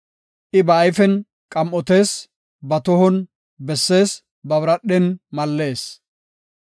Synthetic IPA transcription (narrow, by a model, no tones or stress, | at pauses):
ʔɪbɐːjfɛn | kʼɐmʔɔt̪e̞ːs | bɐt̪ɔhɔn | bɛsːe̞ːs | bɐβɾɐɗːɛnmɐlːe̞ːs